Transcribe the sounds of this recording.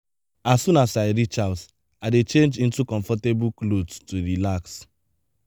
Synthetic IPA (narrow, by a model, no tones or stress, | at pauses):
asːũnasaɪɹit͡ʃas | aɪdet͡ʃẽnd͡ʒĩntukɔ̃ɱfɔtebuklodtuɹilaks